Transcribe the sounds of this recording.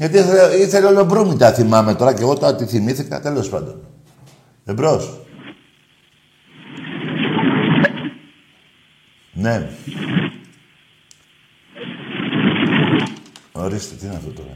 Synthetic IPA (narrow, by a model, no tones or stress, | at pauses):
ʝɐt̪iiθeleiθe̞leoleobɾumit̪ɐθimɐme̞t̪o̞ɾɐce̞ɣo̞t̪oɐt̪iθimiθikɐ̰t̪e̞lo̞spɐ̰nd̪o̞n | ðebɾos | ne̞ | oɾist̪et̪iineɐft̪ot̪o̞̰ɾɐ̰